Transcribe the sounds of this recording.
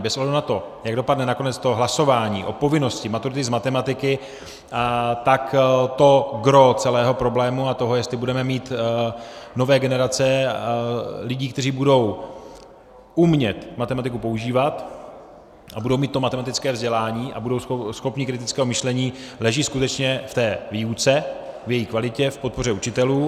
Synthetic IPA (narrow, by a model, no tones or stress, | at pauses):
bɛsʔouɦlɛdunat̪o̞jaɡ̚do̞padnɛnako̞nɛt͡st̪o̞ɦlaso̞vaːɲḭːʔo̞po̞vɪno̞scɪmat̪uɾɪt̪ɪzmat̪ɛmat̪ɪkɪ | t̪akt̪o̞ɡɾo̞t͡sɛlɛːɦo̞pɾo̞blɛːmuat̪o̞ɦojɛst̪lɪbudɛmɛmiːt̪ | no̞vɛːɡɛnɛɾat͡sɛ | lɪɟiːkt̪ɛriːbudo̞w | umɲɛt̪mat̪ɛmat̪ɪkupo̞uʒiːvat̪ | ʔabudo̞wmiːt̪ːomat̪ɛmat̪ɪt͡skɛːvzɟɛlaːɲiːʔa̰budo̞wsxo̞pɲɪkɾɪt̪ɪt͡skɛːɦomɪʃlɛɲiːlɛʒiːskut̪ɛt͡ʃɲɛft̪ɛːviːut͡sɛvjɛjiːkvalɪcɛfpo̞t̪̚po̞rɛut͡ʃɪt̪ɛluː